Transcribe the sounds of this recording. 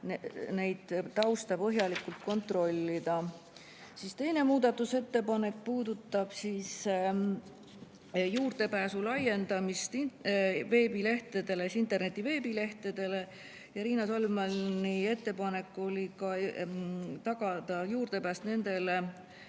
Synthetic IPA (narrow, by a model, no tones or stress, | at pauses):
ne̞jd̪̥t̪ɑwst̪ɑpɤɦjɑlikːˑult̪̚ko̞nt̪ro̞lʲːid̪ɑ | sist̪e̞jne̞muːd̪̥ɑt̪ːˑuse̞t̪ːe̞pɑne̞k̚ːpuːd̪ut̪ˑːɑb̥siːs | juːrd̪̥e̞pæːsulɑje̞nd̪ɑmist̪ive̞ːbile̞ht̪ed̪e̞lesint̪e̞rne̞t̪ːˑive̞ːbile̞ht̪ed̪̥e̞le̞ | jɑɾiːnɑsolmɑlnie̞t̪ːe̞pɑne̞kːˑo̞lʲikɑ | t̪ɑɡ̥ɑd̪̥ɑjuːrd̪̥e̞pæːst̪ne̞nd̪̥e̞le̞